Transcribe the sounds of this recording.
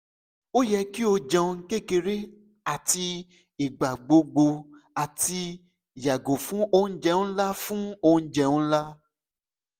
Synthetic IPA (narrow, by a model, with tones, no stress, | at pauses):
o˦jɛ˧ki˦o˧d͡ʒã˧ŋ̩˦ke˦˨ke˧ɾe˦ | a˦˨ti˧ | i˨ɡ͡ba˨ɡ͡bo˧ɡ͡bo˧a˨ti˧ | ja˨ɡo˨fũ˦o˧˦n̩˦d͡ʒɛ˧ũ˦la˦fũ˦o˧˦n̩˦d͡ʒɛ˧ũ˦la˦